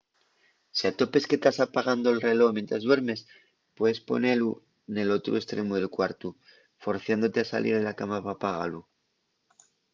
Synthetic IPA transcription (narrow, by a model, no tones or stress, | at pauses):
siat̪o̞pe̞ske̞t̪asapaɣ̞and̪oelre̞lo̞mje̞nt̪ɾazðwe̞ɾme̞s | pweðe̞spo̞̰ne̞lu | ene̞lo̞t̪ɾṵe̞st̪ɾe̞muðe̞lkwaɾt̪u | fo̞ɾθjand̪o̞t̪easa̰lʔḭɾðelakamapapaɣa̰lu